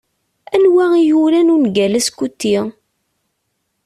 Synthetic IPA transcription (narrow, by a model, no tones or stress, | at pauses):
ænwæijulænunɡælæskut̪ːi